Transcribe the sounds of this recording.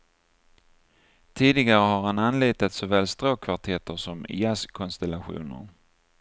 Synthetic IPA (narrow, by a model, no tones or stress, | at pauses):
t̪ʰiːd̪ɪɡaɾəɦaɾhananliːt̪at̪sɔvɛːlst̪ɾoːkʰvaʈʰɛt̪əʂɔmɪ̰askʰɔnst̪ɛlːaɧṵːnə̰ɾ